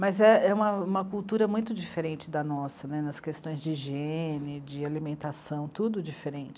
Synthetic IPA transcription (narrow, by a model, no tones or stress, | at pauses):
mɐzɛɛũmɐũmɐkuwt̪uɾɐmũj̃t̪ʊd͡ʒifeɾẽnt͡ʃɪd̪ɐnɔsɐnɛnɐskest̪õj̃zd͡ʒɪʒenɪd͡ʒɪalimẽnt̪asɐ̃w̃t̪ud̪ʊd͡ʒifeɾẽnt͡ʃɪ